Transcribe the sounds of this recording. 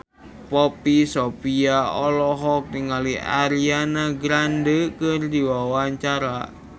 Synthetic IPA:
popisopiaɔlɔɦɔk̚niŋalia̰ɾianaɡɾandəkərdiwawaɲt͡ʃaɾa

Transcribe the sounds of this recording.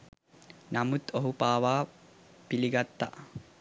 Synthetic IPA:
namut̪oɦupaːʋaː | piliɡat̪ːa̰

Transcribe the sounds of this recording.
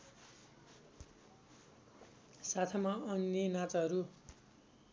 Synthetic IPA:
sat̪ʰamaʌnjʌnat͡sʌɦʌɾu

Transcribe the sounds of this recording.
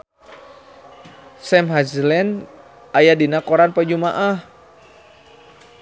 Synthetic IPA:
sɛmɦazlɛn | ajadinakɔɾanpəd͡ʒumaʔah

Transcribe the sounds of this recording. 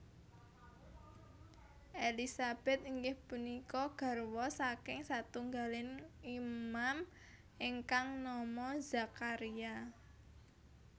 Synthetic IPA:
ʔelisab̥ɛ̤t̪̚iŋɡɪhpunikɔɡ̥a̤rwɔsakɪŋsat̪uŋɡalɪnimam | iŋkaŋnɔmɔz̥a̤kaɾia

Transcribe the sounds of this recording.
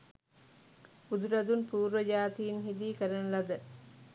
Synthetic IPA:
ud̪uɾɐd̪unpuːɾʋəd͡ʒaːt̪iːnɦid̪iːkəɾɐnlɐd̪ə

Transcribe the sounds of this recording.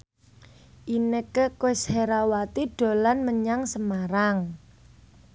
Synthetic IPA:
ʔinekəkwesheɾawat̪iɖ̥o̤lanməɲaŋsəmaɾaŋ

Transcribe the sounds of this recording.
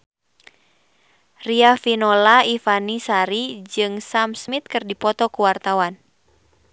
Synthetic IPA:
riafinɔlaifanisaɾid͡ʒɨŋsamsmit̪̚kɨrdipɔt̪ɔkuwart̪awan

